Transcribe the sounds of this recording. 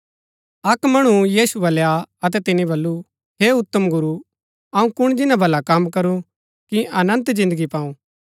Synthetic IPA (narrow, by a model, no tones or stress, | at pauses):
ɐkmɐɽ̃ujiːsubɐljaɐt̪̬ɛt̪ɪnĩbɐlːu | ɦeːʊt̪ːəmɡʊɾu | ɐũkʊɽ̃d͡ʒɪnãbʱɐlakɐmkɐɾu | kiɐnə̃nt̪d͡ʒɪ̃nd̪əɡipaːũː